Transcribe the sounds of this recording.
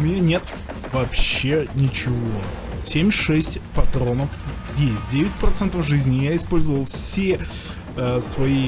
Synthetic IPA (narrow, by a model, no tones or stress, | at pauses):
ʊmʲɪnʲanʲe̞t̪ | vɐpɕːenʲɪt͡ɕɪvo̞ | sʲemʲʂɛsʲtʲpɐt̪ɾo̞nəfjesʲt̚ʲdʲevʲɪt̚ʲpɾɐt̪sɛnt̪əfʐɨzʲnʲɪjaɪspo̞lʲzəvəlˠfsʲe | svɐi